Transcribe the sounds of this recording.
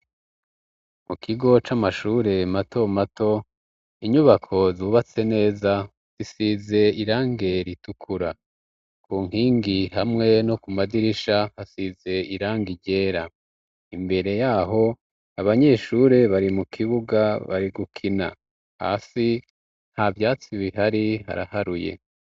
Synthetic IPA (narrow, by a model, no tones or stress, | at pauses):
mukʰiɡo̞t͡ʃamaʃuːɾe̞mato̞mato̞ | iɲuβakʰo̞zuβat͡se̞ne̞ːza | z̥isize̞iɾaːŋɡe̞ɾitukʰuɾa | kʰuːŋ̥hiːŋɡihamŋe̞no̞kumadiɾiʃahasize̞iɾaːŋɡiɟe̞ːɾa | imbe̞ɾe̞jaːɦo̞ | aβaɲe̞ːʃuɾe̞βaɾimukʰiβuɡaβa̰ɾiɡukʰina̰ | ha̰ːsi | n̥havjaːt͡siβiɦaɾiɦa̰ɾa̰haɾujḛ